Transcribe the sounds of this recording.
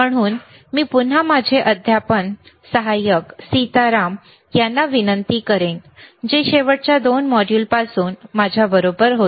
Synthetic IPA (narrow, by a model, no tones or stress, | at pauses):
məɽ̃uːn | miːpun̤amad͡ʑʱeʔəd̪ʱjapəɳsəɦajəksit̪aɾam | janːaʋinənt̪iːkəɾend͡ʑeɕeʋəɽ̚t͡ɕjad̪onmɔɽjuːlpasuːnmad͡ʑʱjabəɾobəɾɦo